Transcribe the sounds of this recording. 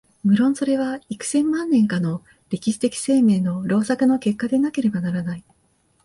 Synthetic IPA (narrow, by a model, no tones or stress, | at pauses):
mɯ̟ɾõ̞ɰ̃so̞ɾe̞βaikɯ̟̥sẽ̞mːãnːẽ̞ŋkano̞ | ɾʲe̞kʲiɕi̥t̪e̞kʲi̥se̞ːme̞ːno̞ɾo̞ːsakɯ̟no̞ke̞kːad̪e̞nake̞ɾe̞banaɾanai